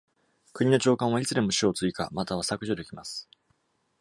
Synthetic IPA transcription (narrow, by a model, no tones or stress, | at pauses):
kɯ̟ɲ̟ino̞t͡ɕo̞ːkãɰ̃βait͡sɨd̪e̞moɕiot͡sɨika̰mat̪aβ̞asakɯ̟ʑod̪e̞kʲimasɨ̥